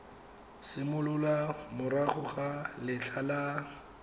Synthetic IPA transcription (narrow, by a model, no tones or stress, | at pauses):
sɪmʊlʊlamʊɾaχʊχalɪɬʰala